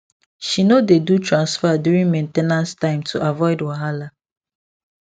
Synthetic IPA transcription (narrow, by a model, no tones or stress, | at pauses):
ʃinodedutʰɹãnsfadjuɹĩnmẽntenãnstãɪ̃mtʰuʔavɔɪdwaɦala